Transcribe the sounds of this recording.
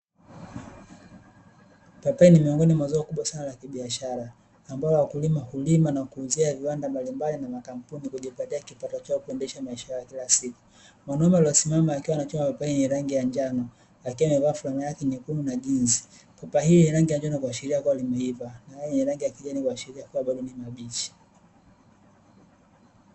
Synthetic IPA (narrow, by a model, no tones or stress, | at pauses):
papainimiɔŋɡɔnimwazɔːkuɓwasanalakiɓiaʃaɾaː | mbaɔwakulimahulimanakuːziaviwandambalimbalinamakam̩punikuʄipatiakipatɔt͡ʃaɔkuɛndɛʃamaiʃajajakilasiku̥ | mwanaumaliɔsimamaːkiwanat͡ʃɔmapɔpahiniɾaŋɡijaɲd͡ʒanɔ | akiwamɛvafulanajakɛɲikununaʄinzi̥ | pɔpaɦiːniɾaŋɡijaɲd͡ʒanɔkuwaʃiɾiakuwalimahivanajajɛniɾaŋɡijakiʄanikwaʃiɾiakuwaɓaɗɔnimaɓit͡ʃi̥